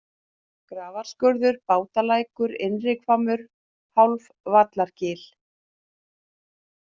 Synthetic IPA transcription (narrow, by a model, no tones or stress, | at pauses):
kɾaːvaɾ̥skœɾðʏɾpaːwt̪alaːjkʏɾɪnrɪkfamʏɾ̥ | hawlv | vat̪laɾ̥cɪːl